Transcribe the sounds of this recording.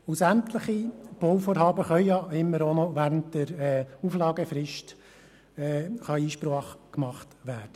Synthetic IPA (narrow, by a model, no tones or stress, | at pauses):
ʊsænt̪ləχib̥ɔwfoːɾɦɑːbəχœɥjɑɪmːəɾonɔʋæːɾəntdəɾɛːuflɑːɡəfɾɪʃt | ɛχɑiːʃpɾɑːχkmɑχtʋæːd̥ə